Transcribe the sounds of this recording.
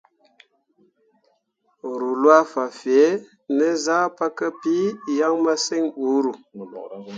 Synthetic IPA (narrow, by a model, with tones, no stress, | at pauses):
ɾu˨lwa˦fa˨fi˨e˦ | nə˦za˦pa˦kə˦pi˦ja˦ŋma˦se˦ŋu˨˦ɾu˨